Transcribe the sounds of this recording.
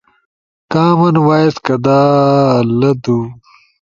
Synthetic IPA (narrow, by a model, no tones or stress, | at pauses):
kaːmɐnwaːjeskɐd̪aːlɐd̪u